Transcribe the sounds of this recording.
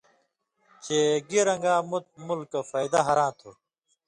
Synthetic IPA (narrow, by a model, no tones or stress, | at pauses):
t͡ɕeːɡiɾɐ̃ŋɡaːmut̪̚mulkːɐfaːid̪aɦɐɾãːt̪ʰo